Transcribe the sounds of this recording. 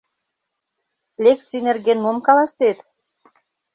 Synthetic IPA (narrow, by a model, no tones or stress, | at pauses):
lʲek̚t͡sienerɡʲenmomkɑlɑset̪